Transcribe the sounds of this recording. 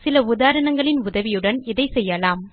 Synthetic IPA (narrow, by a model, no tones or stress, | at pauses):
sɪlɐʊðaːɾɐɳɐŋɡɐɭɪnʊðɐʋɪjɯɽɐnɪðɐɪsɛjːɐlaːm